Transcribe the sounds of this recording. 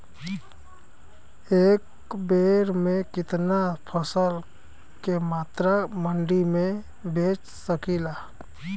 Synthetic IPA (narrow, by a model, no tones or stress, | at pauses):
eːk | beːɾmẽkɪt̪napʰəsəl | kemaːt̪ɾaməɳɖimẽ | bʱeːt͡ʃ | səkiːlaː